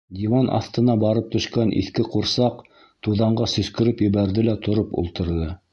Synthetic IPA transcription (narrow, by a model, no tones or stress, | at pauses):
d̪ʲiwɑnʔɑ̰θt̪ɤ̆nɑbɑɾɤp̚t̪ɵ̆ʃkænʔḭθkɘquɾsɑq | t̪uðɑɴɢɑsɵ̆skɘ̆ɾɘpjɘ̆βæɾðɘlæt̪ŏɾɤpṵlˠt̪ɤ̆ɾðɤ